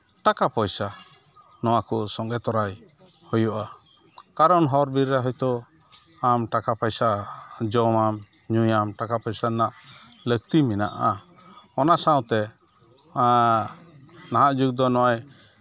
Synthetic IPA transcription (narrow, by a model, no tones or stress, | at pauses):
ʈakapɔjsa | nɔw̃akɔsɔŋɡɛt̪ɔɾaj | hɔjɔʔa | kaɾɔnɦɔɾbiɾːaɦɔjt̪ɔ | amʈakapɔjsad͡ʒɔmam | ɲujamʈakapɔjsanaʔ | lək̚t̪imina̰ʔa | ɔnasaw̃t̪ɛ | naɦãʔd͡ʒuɡ̚d̪ɔnɔwaj